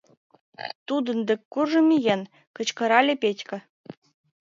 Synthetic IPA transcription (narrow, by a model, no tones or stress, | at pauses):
t̪ud̪ɤ̆nd̪ʲɘ̆kʲkːurʐɤ̆mʲijenʲ | kɤ̆t͡ɕkɤ̆ɾɑlʲĕpʲetʲkʲɘ̆